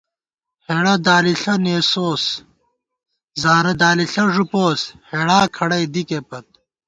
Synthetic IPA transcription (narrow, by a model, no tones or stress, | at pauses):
heːɽɐd̪aːliɬɐneːsoːs | zaːɾɐd̪aːliɬɐʐupoːsheːɽaːkʰɐɽɐjd̪ikepɐt̪̚